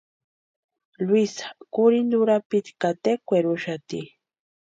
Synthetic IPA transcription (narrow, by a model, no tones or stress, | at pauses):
lwisḁkʊɾind̪uɾapit̪kat̪ekʷeɾʊʃat̪i